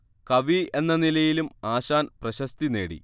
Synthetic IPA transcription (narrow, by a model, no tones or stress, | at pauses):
kɐʋie̞nːɐnilɐjilumaːɕaːnprɐɕɐst̪ine̞ːɽḭ